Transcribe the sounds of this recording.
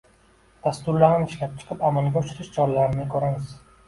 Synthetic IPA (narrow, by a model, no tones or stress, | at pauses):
d̪̥ast̪ʊɾlaɾnɪʃlap̚t͡ʃʰɨ̥qʰɨpamalˠɡʲaʊʃɪɾɪʃt͡ʃʰɒɾlaɾɪnɪkʰoɾamɪz̥